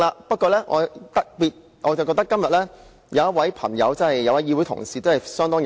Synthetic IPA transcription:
laː˧pɐ˥t̚kɔː˧lɛː˥ŋʔɔ̰ː˨˧t̪ɐ˧k̚piː˨t̚ | ʔɔː˨˧t͡swkɔː˧k̚t̪ɐ˥kːɐ˥mjɐ˨t̚lɛː˥ | jɐ˨˧wjɐ˥t̚wɐ˨˥jpʰɐ̰˨˩ŋjɐ̰˨˧wt͡sɐ˥hɐ˨jːɐ˨˧wɐ˨˥jiː˧wuː˨˥jt̪ʰʊ̰˨˩ŋsiː˨t̪o˥whɐ˨˩jsœː˥ŋt̪ɔː˥ŋj

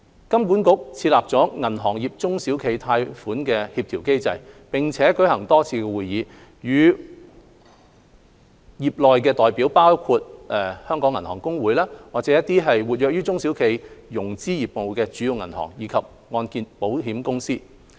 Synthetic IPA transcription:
kɐ˥mkuː˨˥nkʊ˥k̚t͡sʰiː˧t̚laː˨p̚t͡sɔː˨˥ŋɐ˨˩nɦɔː˨˩ŋjiː˨p̚t͡sʊ˥ŋsiː˨˥wkʰe˨˧jt̪ʰaː˧jfuː˨˥nkɛː˧hiː˧p̚t̪ʰi˨˩wke˥jt͡sɐ̰˧jpɪ˨ŋt͡sʰɛː˨˥kɵ˨˥jhɐ˨˩ŋt̪ɔː˥t͡sʰiː˧kɛ˧wuː˨jːiː˨˧ | jyː˨˧ | jiː˨p̚lɔː˨jkɛː˧t̪ɔː˨jpiː˨˥wpaː˥wkʰu˧t̚ɛ˨˩hœː˥ŋkɔː˨˥ŋːɐ˨˩nhɔː˨˩ŋkʊ˥ŋwuː˨˥jlaː˥waː˨k̚t͡sɛ˨˥jɐ˥t̪̚iː˥ɦɐ˨jwuː˨˩t̚jœː˨˧k̚jyː˥t͡sʊ˥ŋsi˨˥wkʰe˨˥jjʊ˨˩ŋt͡siː˥jiː˨p̚mo˨˧wkɛː˧t͡ʃyː˨˥ji˨˧wŋɐ˨˩nhɔ̰ː˨˩ŋjiː˨˧˥kʰɐ˨p̚ | ŋɔː˧nkiː˧npo˨˥wɦiː˨˥mkʊ˥ŋsiː˥

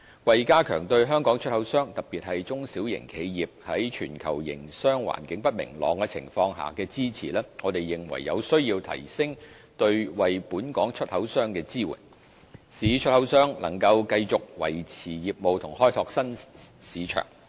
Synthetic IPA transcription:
wɐ˨jkaː˥kʰœ̰ː˨˩ŋt̪ɵ˧ɥɦœː˥ŋkɔː˨˥ŋt͡ʃʰɵ˥t̚hɐ˨˥wsœː˥ŋt̪ɐ˨k̚piː˨t̚hɐ˨jt͡sʊ˥ŋsi˨˥wjɪ̰˨˩ŋkʰe˨˧jjiː˨p̚hɐ˨˥jt͡ʃʰyː˨˩nkʰɐ̰˨˩wjɪ̰˨˩ŋsœː˥ŋwa̰ː˨˩nkɪ˨˥ŋpɐ˥t̚mɪ̰˨˩ŋlɔ̰ː˨˧ŋkɛː˧t͡sʰɪ̰˨˩ŋfɔː˧ŋɦa̰ː˨kɛː˧t͡siː˥t͡sʰḭː˨˩lɛː˥ŋɔː˨˧t̪e˨jːɪ˨ŋwɐ̰˨˩jːɐ˨˧wsɵ˥ɥjiː˧wt̪ʰɐ̰˨˩jsɪ˥ŋ | t̪ɵ˧ɥwɐ˨jpuː˨˥nkɔː˨˥ŋt͡ʃʰɵ˥t̚hɐ˨˥wsœː˥ŋkɛː˧t͡siː˥wṵː˨˩n | siː˨˥t͡ʃʰɵ˥t̚hɐ˨˥wsœː˥ŋlɐ̰˨˩ŋkɐ˧wkɐ˧jt͡sʊ˨k̚wɐ̰˨˩jt͡sʰiː˨˩jiː˨p̚mo˨˧wt̪ʰʊ˨˩ŋɦɔː˥jt̪ʰɔː˧k̚sɐ˥nsiː˨˧t͡ʃʰœ̰ː˨˩ŋ

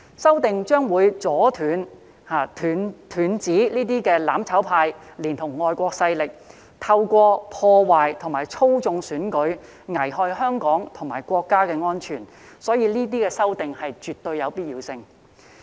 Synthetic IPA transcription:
sɐ˥wt̪ɪ˨ŋt͡ʃœː˥ŋwuː˨˧jt͡sɔː˨˥t̪ʰyː˨˧n | haː˨˩yː˨nt̪ʰyː˨˧˥nt͡siː˨˥liː˥t̪̬iː˥kɛː˧laː˨˥mt͡sʰɐ˨˥wpʰaː˧jliː˨˩nt̪ʰʊ˨˩ŋːɔː˨˧jkʷɔː˧k̚sɐ˧jlɪ˨k̚ | t̪ʰɐ˧wkʷɔː˧pʰɔː˧waː˨jt̪ʰʊ˨˩ŋmaː˨˩jt͡sʰo˥wt͡sʊ˧ŋsyː˨˥nkɵ˨˥ɥ | ŋɐ˨˩jɦɔː˧jhœː˥ŋkɔː˨˥ŋt̪ʰʊ˨˩ŋmaː˨˩jkʷɔː˧kːaː˥kɛː˧ŋɔː˥nt͡ʃʰyː˨˩n | sɔː˨˥jiː˧liː˥t̪̬iː˥kɛː˧sɐ˥wt̪ɪ˨ŋhɐ˨jt͡ʃyː˨˩t̪ːɵ˧ɥjɐ˨˧wpiː˥t̚jiː˨˧wsɪ˧ŋ

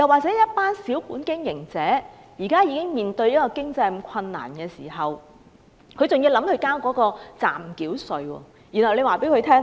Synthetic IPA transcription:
jɐ˨˩waː˨k̚t͡sɛː˨˦˥jɐ˥t̚paː˥nsiː˨˥wkuː˨˥nkɪ˥ŋjɪ˨˩ŋt͡sɛː˨˥ | jiː˨˩kaː˥jiː˧kɪ˥ŋmiː˨nt̪ɵ˧ɥjɐ˥t̚kɔː˧kɪ˥ŋt͡sɐ˧jkʷʰɐ˧nːa̰ː˨˩nkɛː˧siː˨˩ɦɐ˨w | kʰɵ˧ɥt͡sʊ˨ŋji˧wlɐ˨˥mkʰɵ˨˧jkaː˥wkɔː˨˥kɔː˧t͡sa̰ː˨mkiː˨˥wsɵ˧ɥwɔ̰ː˧ | ji˨˩nhɐ˨˩wle˧waː˨˩pe˨˥jkʰɵ˨˧ɥt̪ʰɛː˥ŋ

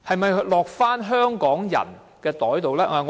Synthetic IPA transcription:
hɐ˨jmɐ˨jɦɵ˧˥lɔː˨k̚faː˥nɦœː˥ŋkɔː˨˥ŋjɐ̰˨˩n | kɛː˧t̪ɔː˨˥jt̪o˨wlɛː˥ʔɛ˨˧ŋɔ˧

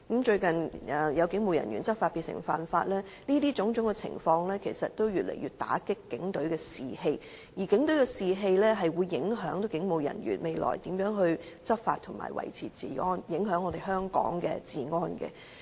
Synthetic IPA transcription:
kɐ˨˥mt͡ʃɵ˧ɥkɐ˨nʔɛ˨jɐ˨˧wkɪ˨˥ŋmo˨wjɐ̰˨˩nɥy̰˨˩nt͡sɐ˥p̚faː˧t̚piː˨˧tsɪ̰˨˩ŋfa̰ː˨nfaː˧t̚lɛː˥ | niː˥t̪iː˥t͡sʊ˨˥ŋt͡sʊ˨˥ŋkɛ˧t͡sʰɪ̰˨˩ŋfɔː˧ŋlɛː˥kʰe˨˩jsɐ˨t̚t̪o˥wjyː˨t̚lʔḛ˨˩jyː˧t̚t̪a̰ː˨˥kɪ˥kːɪ˨˥ŋt̪ɵ˨˥ɥkɛː˧siː˨he˧j | jiː˨˩kɪ˨˥ŋt̪ɵ˨˥ɥkɛ˧siː˨ɦe˧jlɛː˥ɦɐ˨jwuː˨˧jːɪ˨˥ŋɦœː˨˥ŋt̪o˧˥wkɪ˨˥ŋmo˨wjɐ̰˨˩njyː˨˩nme˨˧jlɔ̰ː˨˩jt̪iː˨˥mjœː˨˥ŋɦɵ˧ɥ | t͡sɐ˥p̚fa̰ː˧t̚t̪ʰʊ˨˩ŋma̰ː˨˩jwɐ̰˨˩jt͡sʰiː˨˩t͡siː˨˩ŋɔː˥njɪ˨˥ŋɦœː˨˥ŋːɔː˧t̪e˨jɦœː˥ŋkɔ̰ː˨˥ŋkɛ̰ː˧t͡siː˨ŋɔː˥nkɛ̰˧

